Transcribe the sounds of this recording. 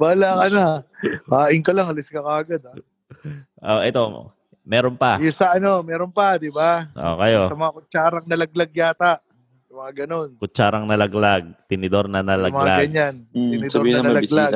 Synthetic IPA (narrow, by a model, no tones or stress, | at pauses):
baːlakɐnahaːʔɪŋkɐlɐŋɐlɪskɐkaːɡɐd̪̚a | ʔoʔɛt̪o̞ | mɛːɾonpajʊsɐʔɐno̞mɛːɾonpɐd̪ɪbaʔo̰kɐjosɐmɐŋakʊt͡ʃaːɾɐŋnɐlɐɡ̚lɐɡ̚jaːt̪aʔ | mɐŋaɡɐno̞nkʊt͡ʃaːɾɐŋnɐlɐɡlaɡ̚t̪ɪnɪd̪oɾnɐnɐlɐmɐŋŋaaɡɐɲant̪ɪnɪd̪oɾinɐɐnɐɐlɐɡlaɡ̚